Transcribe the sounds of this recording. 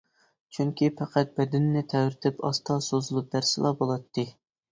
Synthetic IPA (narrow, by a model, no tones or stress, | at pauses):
t͡ʃʰyŋkʲʰipʰæqʰæt̪̚bɛd̪ɪnːɪt̪ʰɛwɾɪt̪ʰɪpʰɑ̰st̪ʰɑsozulˠup̚d̪æɾsɨlˠɑbolˠɑt̪ʰːɨ